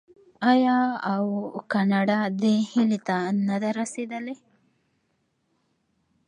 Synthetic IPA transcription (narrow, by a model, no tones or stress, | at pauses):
ajɑawkanaɖad̪əhilit̪anad̪aɾased̪əle